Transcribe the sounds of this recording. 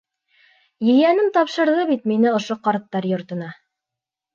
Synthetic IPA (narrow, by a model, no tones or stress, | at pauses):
jɵ̆jænɘmt̪ɑpʃɤ̆ɾðɤβit̪minɘŏʃoqɑɾt̪ːɑɾjŏɾt̪ɤ̆nɑ